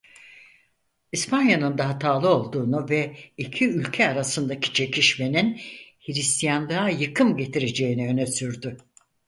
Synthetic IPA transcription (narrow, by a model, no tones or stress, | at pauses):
ispʰanjanɯnd̪aɦat̪ʰaːlˠɯo̞lˠd̪uːnuvɛicʰiylʲcʰɛaɾasɯnd̪acʰi̥t͡ʃʰe̞cʰiʃme̞ninhiɾist̪ʰijand̪ˠajɯkʰɯmɟe̞t̪ʰiɾe̞d͡ʒe̞jiniø̞nɛsyɾd̪y